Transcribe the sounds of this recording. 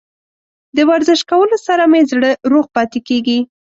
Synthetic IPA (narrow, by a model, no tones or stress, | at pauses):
d̪əwaɾzɪʃkawəlosaɾamezɽəɾoɣpɑt̪ekeɡi